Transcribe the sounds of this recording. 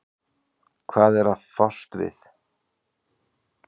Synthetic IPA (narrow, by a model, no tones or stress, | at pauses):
kʰvaːðɛɾaðfɔst̪vɪ̰θ